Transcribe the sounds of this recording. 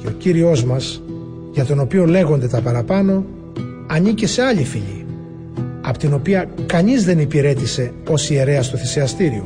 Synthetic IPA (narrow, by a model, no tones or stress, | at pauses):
o̞ciɾio̞zmɐs | ʝɐt̪o̞no̞pio̞le̞ɣo̞nd̪e̞t̪ɐpɐɾɐpɐno̞ | ɐɲicese̞ɐʎifiʎḭ | ɐpot̪ino̞piɐkɐɲizðe̞nipiɾe̞t̪ise̞ | o̞sie̞ɾe̞ɐst̪oθiseɐst̪iɾio̰